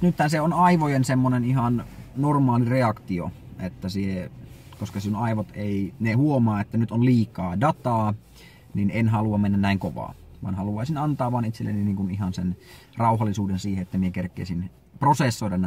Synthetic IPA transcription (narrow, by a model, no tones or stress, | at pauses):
nyt̪hænseonɑiʋojensemːoneniɦɑnnormɑːlireɑkt̪io̰ | et̪ːæsie | koskɑsiunɑiʋot̪einehuomɑːet̪ːænyt̪onliːkɑːdɑt̪ɑː | ninenɦɑluɑmenːænnæiŋkoʋɑ̰ːʋɑ̰nhɑluɑisinɑnt̪ɑːʋɑːnit̪selːḛniniːŋkunihɑnsen | rɑuhɑlːisuːdensiːheet̪ːæmiekerkːˑḛːsin | prosesːoidɑn